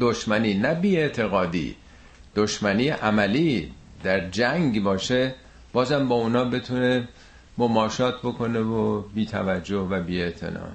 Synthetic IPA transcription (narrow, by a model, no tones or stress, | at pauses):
d̪oʃmæniːnæbiːe̞ʔt̪ʰe̞ɣɒːd̪ḭː | d̪̥oʃmæniːʔæmæliː | d̪æɾd͡ʒæŋɡbɒːʃe | b̥ɒːzhæmbɒːunɒːbe̞t̪ʰune̞ | momɒːʃɒːt̪̚ʰbo̞kʰo̞nevobiːt̪ʰæ̰væd͡ʒːohvæbiːe̞ʔt̪ʰḛnɒ̰ː